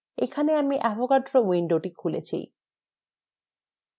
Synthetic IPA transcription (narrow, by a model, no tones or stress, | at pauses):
ekʰaneamiʔɛbokaɖɾowiɳɖoʈikʰulḛt͡ɕʰḭj